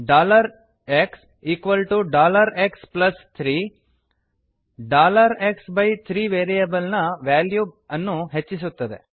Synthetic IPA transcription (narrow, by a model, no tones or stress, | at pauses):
ɖaːlɐɾ | eks | iːkʋɐlʈuɖaːlɐɾeksplɐst̪ʰɾiː | ɖaːlɐɾeksbɐjt̪ʰɾiːʋeːɾijɐbɐlnɐʋaːljuːɐnːuɦet͡ʃːis̬ut̪ːɐd̪ḛ